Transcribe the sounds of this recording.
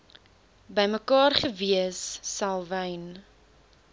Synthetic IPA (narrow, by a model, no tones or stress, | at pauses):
bəjməkɑːrχəviəsːɐlˠvəjn